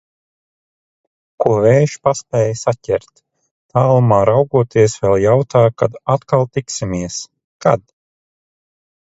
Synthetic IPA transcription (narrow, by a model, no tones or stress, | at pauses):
kuɔvɛːʃpaspʲɛːjsacʲɛɾt̪ː | aːlˠumaːɾawɡuɔt̪iɛsvɛlˠjawt̪aːkad̪at̪kalˠt̪iksimiɛs | kad̪̥